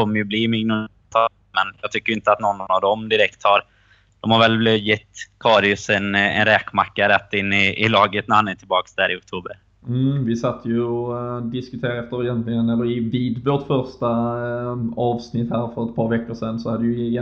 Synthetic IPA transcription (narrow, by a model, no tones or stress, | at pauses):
ɔmːəɾjɵbliːmʏɡnʊ | t̪ʰɑ | mɛnjɑːɡ̚t̪ʰʏkːəɾɪnt̪əat̪nɔnːavd̪ɔmd̪ɪɾɛkt̪hɑɾ | d̪̥ɔmhaɾvɛljɛt̪ːkʰɑːɾɪʊsɛnɛ̰nɾɛːkmakːaɾɛt̪ːɪnːɪɪlɑːɡət̪næhanæːʈ̪ʰɪlbɑːksd̪æːɾɪʊk̚t̪ʰuːbəɾ | m̩vɪsat̪ːəjɵɔd̪ɪskɵt̪ʰeːɾaɛft̪əɾɪjɛnt̪lɪɡənɛlːəɾɪviːd̪voːʈfœɾʂʈa | ɑːvsnɪt̪ːhæːɾfœɾɛt̪̚pʰɑːɾvɛkːəʂɛnːsɔhad̪ːəj